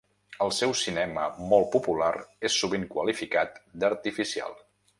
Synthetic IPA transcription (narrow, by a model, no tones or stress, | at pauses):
əlˠsɛwsinɛməmɔlˠpupulaɾesːuβiŋkwəlifikat̪̚d̪əɾt̪ifisia̰lˠ